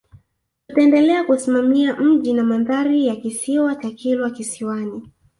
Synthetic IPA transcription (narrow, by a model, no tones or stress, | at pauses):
utaɛndɛlɛakusimamiam̩ʄinamaðaɾijakisiwat͡ʃakilwakisiwani